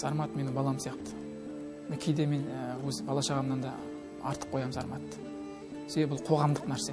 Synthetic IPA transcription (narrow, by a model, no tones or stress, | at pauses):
zɑɾmɑt̪menɪbɑlˠɑmsijɑqt̪ə̥ | nɪkʲʰejd̪e̞me̞nwɵzbɑlˠɑʃɑʁɑmnɑnd̪ɑ | ɑ̰ɾt̪ə̥p̚qʰo̞jɑmzɑɾmɑt̪ː | sebebʊlˠqʰo̞ʁɑmd̪əqnæɾse̞